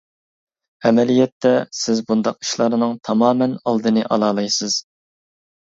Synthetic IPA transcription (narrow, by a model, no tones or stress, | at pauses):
ɛmɛlijɛt̪ːɛsɪzbund̪ɑqi̥ʃlˠɑɾɨnɨŋt̪ʰɑmɑːmɛnɑlˠd̪ɨnɨʔɑlˠɑːlˠɑjsɨz̥